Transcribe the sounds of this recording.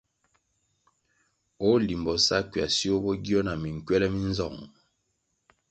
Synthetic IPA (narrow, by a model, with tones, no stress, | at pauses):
o˦li˨mbɔ˨sa˦kɥja˨si˦o˦bɔ˦ɡi˦ɔ˦na˨mi˨ŋ̩˨kɥɛ˦lɛ˦mi˦n˦zɔ˦˨ŋ